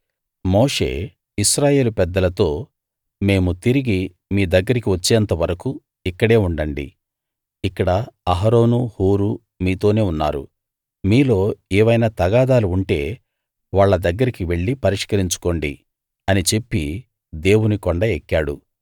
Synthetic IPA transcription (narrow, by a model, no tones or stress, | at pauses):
mo̞ːʂe̞̰ː | iʃɾaːje̞ːlupɛd̪ːɐlɐt̪o̞ː | me̞ːmut̪iɾiɡi | miːd̪ɐɡːɐɾikiʋɐt͡ʃːeːɐnt̪ɐʋɐɾɐku | ikːɐɽe̞ːuɳɖɐɳɖḭ | ikːɐɽɐɐɦɐɾo̞ːnuhuːɾu | miːt̪o̞ːne̞ːunːa̰ːɾṵ | miːlo̞ːɛːʋɐjnaːt̪ɐɡaːd̪aːluːɳʈe̞ː | ʋaːɭːɐd̪ɐɡːɐɾikiʋe̞ɭːipɐɾiʂkɐɾiɲt͡ʃu̥ko̞ːɳɖḭ | ɐnit͡ʃe̞pːi | d̪e̞ːwunikɔɳɖɐekːaːɽu